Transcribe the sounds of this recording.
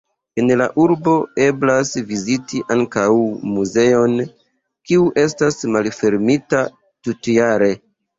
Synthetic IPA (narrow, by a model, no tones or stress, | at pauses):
e̞nla̰ʔuɾbo̞e̞blasvizitiʔaŋkawmuze̞o̞n | kiuʔe̞stasmalfe̞ɾmita | tutjaɾe̞